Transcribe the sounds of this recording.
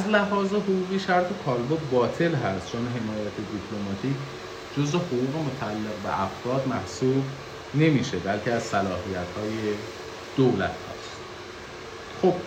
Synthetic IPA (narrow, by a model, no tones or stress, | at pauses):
ʔæzlæɦɒːze̞ɦoʁuːɣiːʃæɾt̪ʰekʰɒːlbobɒːt̪ʰe̞lɦæst̪t͡ʃʰonɦe̞mɒːjæt̪ʰed̪ipʰlo̞mɒt̪ʰiːcʰ | d͡ʒo̞zvehoɣuːɣe̞mot̪ʰæælːeɣbḛʔæfɾɒːd̪mæhsuːb | ne̞miːʃebælcʰeæzsælɒːhijæt̪hɒːje̞ | d̪̥owlæ̰t̪ʰhæ̰st̪ | xo̞b̥